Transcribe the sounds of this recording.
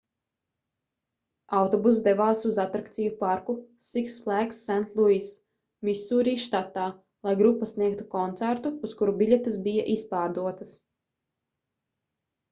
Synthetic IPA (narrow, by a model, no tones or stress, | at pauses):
awt̪ɔbus̬d̪ɛvaːsuzat̪ɾakt̪sijupaɾku | siksflˠæksːænt̪lˠuis | misuːɾiːʃt̪at̪aː | lˠajɡɾupːasniɛk̚t̪ukɔnt̪sæɾt̪uːskuɾubilʲet̪ɐsbija̰ʔispaːɾd̪uɔt̪ɐs